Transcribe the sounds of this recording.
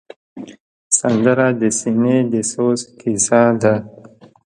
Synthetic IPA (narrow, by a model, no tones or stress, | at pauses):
sand̪əɾad̪əsined̪əsoskisad̪a